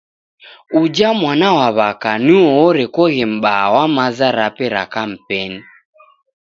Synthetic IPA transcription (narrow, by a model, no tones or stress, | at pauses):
ud͡ʒamwanawaβakaniɔːɾɛkɔɣɛm̩ɓawamazaɾapɛɾa̰kam̩pɛni